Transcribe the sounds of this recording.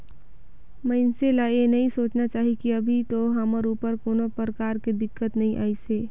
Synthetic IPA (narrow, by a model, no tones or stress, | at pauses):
məɪnselaenɐɦĩsoːt͡ʃnat͡ʃaːɦikiɐbʱit̪oɦəməɾuːpəɾkoːnopəɾəkaːɾked̪ɪkːət̪nɐɦĩʔa̰ːiseː